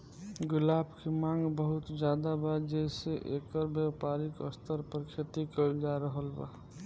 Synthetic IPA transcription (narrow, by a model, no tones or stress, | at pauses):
ɡʊlaːbkemãŋɡbəɦut̪d͡ʒaːd̪abad͡ʒɛseʔekəɾbjəwpaɾikə̰st̪əɾpəɾkʰet̪ikəd͡ʒaɾəɦəlba̰